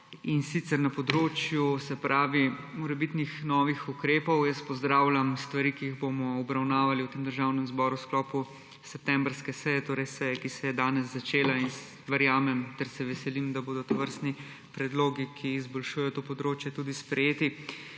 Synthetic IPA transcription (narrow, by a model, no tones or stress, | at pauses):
insit̪sɛɾnapɔd̪ɾoːt͡ʃjusɛpɾʔaːʋimɔɾɛbit̪nixnɔʋixukɾeːpɔwjəst̪pɔzd̪ɾaːwlamst̪ʋaɾiːkiiɣbomɔɔbɾawnaːʋaliwt̪eːmd̪əɾʒaːwnɛmzbɔɾusklɔːpu | sɛp̚t̪ɛmbɾskɛsɛjɛt̪oːɾɛjsɛjɛkisɛjɛd̪aːnɛzːat͡ʃeːlain | ʋəɾjaːmɛmt̪ɛɾsɛʋɛsɛlimd̪aboːd̪ɔt̪ɔʋəɾst̪ni | pɾɛd̪loːɡikʰiːzbɔlʃujɛjɔt̪oːpɔd̪ɾoːt͡ʃjɛt̪uːd̪ispɾɛjeːt̪i